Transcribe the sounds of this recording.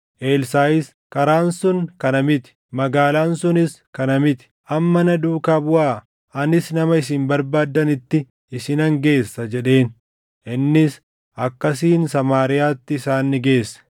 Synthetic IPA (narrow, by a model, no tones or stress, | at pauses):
ʔe̞ːlsaːɪs | kɐɾaːnsʊŋkɐnɐmɪt̪ɪ̥ | mɐɡaːlaːnsʊnɪskɐnɐmɪt̪ɪ̥ʔɐmːɐnɐd̪uːkaːbʊaː | ɐnɪsnɐmɐɪs̬ɪmbɐɾbaːd̪ːɐnɪt̪ːɪ | ɪsɪnɐŋɡe̞ːsːɐd͡ʒɛᶑe̞ːn | ʔɪnːɪs | ʔɐkːɐs̬iːnsɐmaːɾɪjaːt̪ːɪːsaːnːɪɡe̞ːsːɐ̥